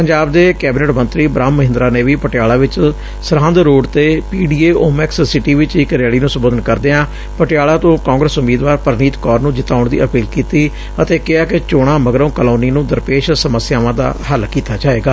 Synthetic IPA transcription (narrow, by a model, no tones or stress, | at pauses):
pəɲd͡ʒaːbd̪eːkɛːbɪneːʈmənt̪ɾiːbɾaːmːəɦɪnd̪ɾaːneːʋiːpəʈɪjaːɭaːʋɪt͡ʃ | səɾãːnd̪ɾoːɖt̪eːpiːɖiːeːoːmɛkssɪʈiːʋɪt͡ʃɪkɾjaːɭiːnũːsəmboːd̪ənkəɾd̪eːãː | pəʈɪjaːɭaːt̪õːkãːŋɡɾəsʊmiːd̪ʋaːɾpəɾniːt̪kɔːɾnũːd͡ʒɪt̪aːʊɳd̪ḭːʔəpiːlkiːt̪iː | ət̪eːkɪaːket͡ʃoːɽ̃ãːməɡɾə̃ːkəloːniːnũːd̪əɾpeːʃsəməsɪjaːʋãːd̪a̰ːɦəlkiːt̪aːd͡ʒaːeːɡaː